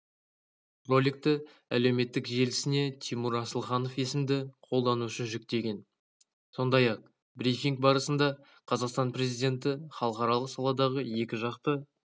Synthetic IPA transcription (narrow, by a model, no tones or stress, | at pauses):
ro̞lʲik̚t̪ɪ | æ̰le̞wme̞t̪ːɪkʒe̞lɪsɪne̞t̪ʰijmuɾɑsəlˠχɑno̞fe̞sɪmd̪ɪqʰo̞lˠd̪ɑnuʃəʒʏk̚t̪e̞ɡʲe̞n | so̞nd̪ɑjɑq̚ | brifʲiŋk̚bɑɾəsənd̪ɑ | qʰɑzɑqst̪ɑnpre̞zijd̪ʲe̞nt̪̬ɪχɑlˠəqɑɾɑlˠəqsɑlˠɑd̪ɑʁəje̞kʲɪʒɑqt̪ə